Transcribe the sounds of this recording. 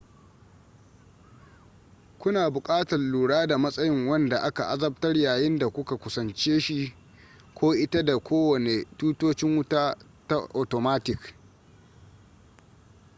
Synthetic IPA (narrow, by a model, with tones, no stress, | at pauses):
kʷʊ˦naː˨bʊ˨kʼaː˦tɐ˨rluː˨ɽaː˦da˨mɐ˦sʼɐ˦jɪ˦ŋwɐ˦nda˨ʔa˦ka˨ʔa˦zɐ˦b̚tɐ˦rjaː˨jɪ˦nda˨kʷʊ˦ka˨kʷʊ˨sɐ˨nt͡ʃeː˦ʃi˦ | kʰʷoː˦ʔɪ˦ta˦da˨kʷoː˦wɐ˨ne˨tuː˦toː˦t͡ʃɪ˦ŋwʊ˦taː˦ | ta˦ʔo˨to˨maː˦tɪ˨k